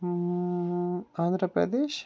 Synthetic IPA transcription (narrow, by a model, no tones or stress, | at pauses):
and̪ɾəpɾɐ̰d̪eːʃ